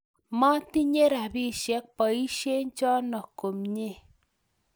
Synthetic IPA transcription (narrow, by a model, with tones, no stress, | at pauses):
mɔ˦t̪i˦ɲe˦ɾa˨bi˦˨ʃjɛ˨˦k̚pɔ˨i˦ʃe˦ɲ˦t͡ʃɔ˦nɔ˨ko˨mɲe˦˨